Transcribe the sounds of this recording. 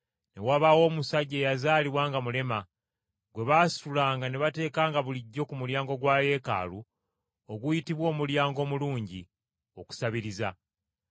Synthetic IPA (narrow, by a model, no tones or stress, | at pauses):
ne̞waβawo̞ːmusaɟːe̞ːjazaːliβwaːŋɡamule̞ma | ɡwe̞βaːsi̥tulaːŋɡane̞βate̞ːkaːŋɡaβuliɟːo̞kumuljaːŋɡo̞ɡwaːje̞ːka̰ːlu | oɡujitiβwo̞ːmuljaːŋɡo̞ːmuluːɲɟi | o̞ku̥saβiɾiza